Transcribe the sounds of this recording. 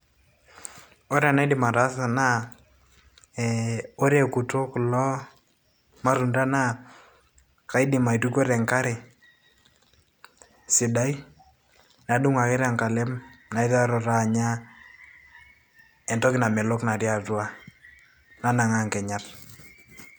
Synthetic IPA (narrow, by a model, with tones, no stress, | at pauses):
o˦ɾɛ˨na˦ɪ˦dɪ˨ma˨ɾa˦sa˨na˦ | o˦ɾe˨ku˨to˦kʊ˨lɔ˦ | ma˦ɾu˨nda˦na˦ | ka˨i˦dɪ˨ma˨i˨tu˦ko˦ɾɛ˨ŋka˦ɾe˨ | sɪ˨da˦i˦ | na˨du˦ŋa˨kɪ˦ɾa˨ŋka˨lɛ˦mna˨i˦ta˦ɾɔ˨ɾaː˦˨ɲa˦ | ɛ˨ntɔ˦kɪ˦na˨mɛ˨lo˦kna˨ɾja˨tu˦a˦ | na˦na˨ŋa˨ŋkɛ˨ɲa˦r